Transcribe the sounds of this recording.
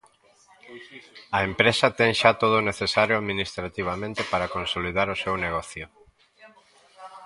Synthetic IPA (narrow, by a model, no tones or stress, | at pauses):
ɐempɾesɐt̪ɛŋʃat̪oð̞oʊneθesaɾjʊaðminist̪ɾat̪iβ̞amẽnt̪epaɾakonsoliðaɾʊsewneɣ̞ɔθjʊ